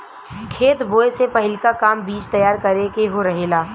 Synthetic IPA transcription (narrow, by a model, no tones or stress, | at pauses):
kʰeːt̪boːesepɐɦɪlkakaːmbiːt͡ʃt̪ɐjaːɾkɐɾekeɦoɾɐɦelaː